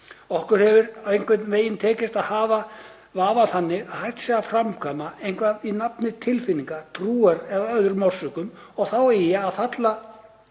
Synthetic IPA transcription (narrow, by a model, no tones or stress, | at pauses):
ɔhkʏɾ̥hɛvʏɾawejŋ̥kvɪt̪nveːjɪnt̪ʰɛːcɪst̪aðhaːva | vaːvaθanːɪahajt̪sɛɣafɾamkʰamaejnkvaðinapnɪt̪ʰɪlfɪnːiŋkat̪ʰɾuːaɾɛðaœðʏɾmɔr̥sʏkʏm | ɔɣθawɛjɛaðθat̪la